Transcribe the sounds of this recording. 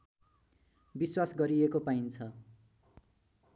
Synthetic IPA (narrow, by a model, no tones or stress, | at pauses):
biswasɡʌɾiekopaint͡sʰʌ